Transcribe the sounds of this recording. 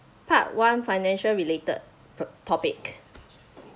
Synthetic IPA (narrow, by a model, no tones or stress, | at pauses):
pʰat̚wãnfajnɛ̃nʃəlɹiletə̰d̚ | tʰɔpɪk